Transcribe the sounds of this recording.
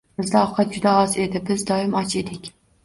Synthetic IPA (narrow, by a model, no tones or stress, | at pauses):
bɪzd̪aɒqʰɑt̪̚d͡ʒʊd̪aɒze̞d̪ɪbɪzd̪ɒɪmɒt͡ʃe̞d̪ɪkʲ